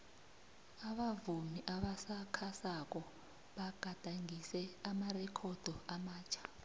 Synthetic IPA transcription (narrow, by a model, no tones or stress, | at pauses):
aɓavumiʔaɓasakʰasak̬ɔ | ɓaɡ̥ʱad̥ʱaŋisɛamarɛkʰɔd̥ʱɔamaːt͡ʃʰḁ